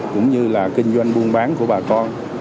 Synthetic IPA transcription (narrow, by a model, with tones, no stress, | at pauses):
kʊ̰˧˥wŋ͡mɲɨ˧laː˨˩kï˧ŋ̟zwa˧jŋ̟ɓu˧ənɓaː˨˦nku˧˩əɓaː˨˩kɔ˧n